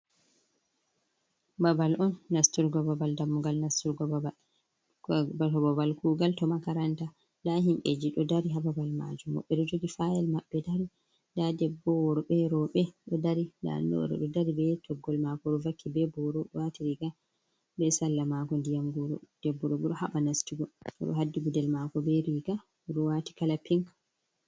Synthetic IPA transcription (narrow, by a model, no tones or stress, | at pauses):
babalʔɔnːastuɾɡɔbabaldamːuɡalnastuɾɡɔ | baɔbɔbalkuːɡaltɔmakaɾanta | daɦimɓḛd͡ʒiɗɔdaɾiɦababalma̰d͡ʒumːa̰ɓːɛɗɔd͡ʒoɡifajɛlmaɓːɛdaɾi | ndadɛbːɔwɔɾɔɓɛɾɔɓɛɗɔdaɾida̰ndɔ̰ɗɛ̰ɗɔdaɾibɛtʰɔɡːɔlmakɔɗɔvakːibɛbɔɾɔɗɔwatiɾiɡa | bɛsalːamakɔndijaŋɡuɾɔ̰d̥ɛbːɔɗɔɡɔɗɔhaɓanastiɡɔɔɗɔ̰ɦadːiɡudɛlmakɔbɛɾiɡa | ɗɔwati̥kalapiŋk